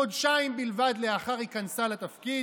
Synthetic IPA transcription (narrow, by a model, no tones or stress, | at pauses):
od̪ʃaimbilvad̪le̞aχaʁikansalat̪afki